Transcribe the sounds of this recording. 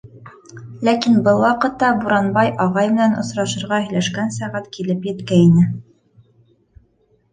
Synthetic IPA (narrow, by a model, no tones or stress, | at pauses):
lækinbɤlˠwɑqɤ̆t̪ːɑbuɾɑnbɑjʔɑʁɑjmɘ̆nænŏ̰sɾɑʃɤ̆ɾʁɑhɘ̆jlæʃkænsæʁæt̪kilɘpjɘ̆t̪kæinɘ